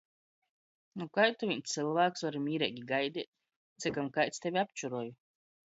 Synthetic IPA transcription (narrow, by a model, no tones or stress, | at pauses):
nukajt̪uvʲiɲʲt̪sɨlˠvæːksvaɾmʲiːɾɛɡʲiɡajd̪iɛt̪̚ | t̪sɨkamkajt̪st̪ɛvʲiapt͡ʃuɾɔːju